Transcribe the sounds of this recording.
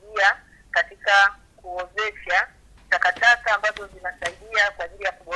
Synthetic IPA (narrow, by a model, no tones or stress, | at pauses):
ia | katika | kuɔzɛʃa | takatakaːmbazɔzinasaiɗiakwaːʄilijakuɓɔ